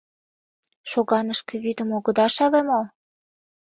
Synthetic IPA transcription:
ʃoɣɑnəʃkĕβyd̪ə̆moɣɤ̆d̪ɑʃɑβemo

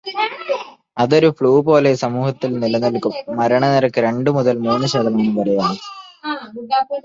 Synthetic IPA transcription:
ɐðo̞ɾufɭuːpo̞ːle̞sɐmuːhɐt̪ːilnilɐnɐlkːumːɐɾɐɳɐniɾɐkːɨɾe̞ɳɖɨmuðɐlmuːnːɨɕeːðɐŋɐŋɐlupɐɾɐjaːɳɨ

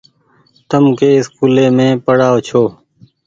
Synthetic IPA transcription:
t̪əmkeːɪskuːleːmẽːpəɽaːot͡ʃʰoː

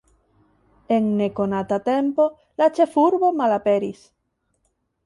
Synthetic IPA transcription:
eŋnekonat̪at̪empo | lat͡ʃefuɾβomalapeɾis

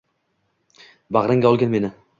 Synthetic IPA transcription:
baʁɾɪŋɡaɒlˠɡʲanme̞nɪ

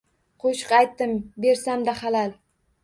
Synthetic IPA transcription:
qʰoʃqajt̪ːɪmbe̞ɾsamd̪ahalal

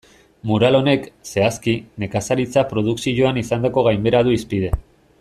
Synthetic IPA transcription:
muɾalo̞ne̞kse̞askine̞kasaɾit͡sapɾo̞ð̞uksiʝo̞anisand̪ako̞ɣajmbe̞ɾað̞uispið̞e̞

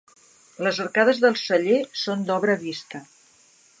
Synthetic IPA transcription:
ləzərkaðəzðəlˠsəʎesond̪ɔβɾəβist̪ə

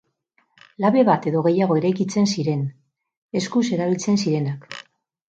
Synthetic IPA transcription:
laβe̞βat̪e̞ðo̞ɣ̞e̞jaɣ̞o̞e̞ɾajkit͡se̞nsiɾe̞n | e̞skuse̞ɾaβ̞ilt͡se̞nsiɾe̞nak

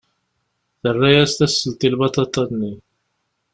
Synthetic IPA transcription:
θərːæjæst̪æsːəlt̪ˤilβɑt̪ɑt̪ˤːɑnːi

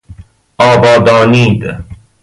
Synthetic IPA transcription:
aːbɑːd̪ɑːniːd̪

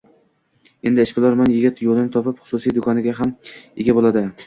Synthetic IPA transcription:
e̞nd̪ɪɪʃbɪlˠaɾmanjɪɡʲɪt̪jolˠɪnɪt̪ʰɒpɪpχʊ̥sʊsijd̪ʊkʰɒnɪɡʲaɦamɪɡʲabolˠad̪ɪ

